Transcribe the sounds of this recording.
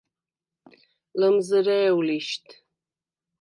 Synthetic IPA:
ləmzɨɾɛːwliʃt̪ʰ

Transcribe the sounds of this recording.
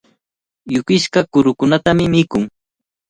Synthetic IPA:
jʊkɪʃkakʊɾʊkʊnat̪amɪmɪkʊŋ

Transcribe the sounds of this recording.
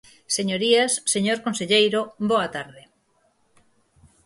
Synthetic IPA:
seɲoɾiasːeɲoɾkonseʎejɾoboat̪aɾðe

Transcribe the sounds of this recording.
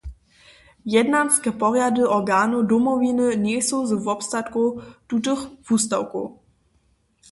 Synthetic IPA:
jɛdnanskɛpɔʁjadəʔɔʁɡaːnudɔmɔvinənɛsozəvɔpstatkutut̬əxv̥ust̪awkṵ

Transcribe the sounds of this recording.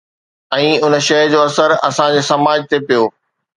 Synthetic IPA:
ɛ̃ːʊn̆ʃɐɦd͡ʑoːɐsəɾɐ̰sãd͡ʑeːsɐmaːd͡ʑt̪epijoː

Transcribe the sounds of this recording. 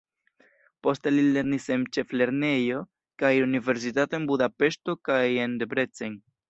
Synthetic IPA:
po̞ste̞lile̞ɾnise̞nt͡ʃe̞fle̞ɾne̞jo̞ | kajunive̞ɾs̬itato̞enbudape̞ʃto̞kaje̞ndebɾe̞t͡seŋ

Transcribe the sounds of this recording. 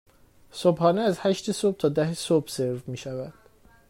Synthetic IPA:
sobhɒːneæzhæʃt̪esob̚t̪ʰɒːd̪æhsobse̞ɾvmiːʃævæd̪̥

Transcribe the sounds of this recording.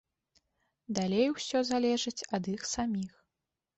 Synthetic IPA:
d̪alʲejwsʲɔzalʲɛʐɨt͡sʲɐd̪ixsamʲix

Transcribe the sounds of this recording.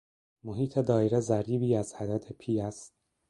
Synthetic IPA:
moɦiːt̪ʰe̞d̪ɒːeɾezæɾiːbiːæzhæd̪æt̪ʰe̞pʰiːæst̪̚

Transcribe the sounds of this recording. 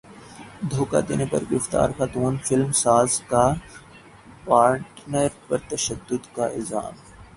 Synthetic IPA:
d̪ʱoːka̰d̪ḛːnepɐ̰ɾɡɾɪft̪a̰ːɾxat̪uːnfɪlmsaːzka | paːɾʈnəɾpɐɾt̪ɐʃəd̪ːʊd̪kaɪza̰ːm

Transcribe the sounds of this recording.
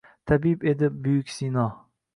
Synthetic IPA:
t̪ʰabipe̞d̪ɪbʊjʊkʲsinɒ

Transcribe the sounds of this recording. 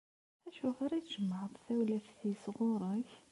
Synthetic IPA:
æʃufaɾˤɑt̪ʒ̥əmːəʕəðˤθæwlæfθisʁʊɾˤəç

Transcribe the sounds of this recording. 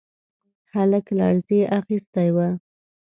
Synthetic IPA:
xaləklɑ̰ɽzeʔaxist̪ajwa

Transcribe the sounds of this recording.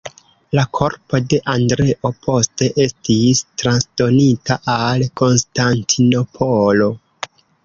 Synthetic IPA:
lakʰo̞ɾpo̞de̞ʔandɾe̞ʔo̞pʰo̞ste̞ʔe̞stistɾansdo̞nitaʔalko̞nstantʰino̞pʰolo̞

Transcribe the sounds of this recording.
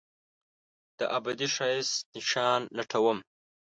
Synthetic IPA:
d̪̥əʔabad̪iʂɑjisnɪʃɑːnːaʈʰawəm

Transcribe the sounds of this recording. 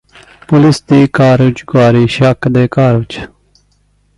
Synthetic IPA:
pulist̪iːkaːɾut͡ʃɡwaːɾiːɕakd̪eːkaːɾut͡ʃ

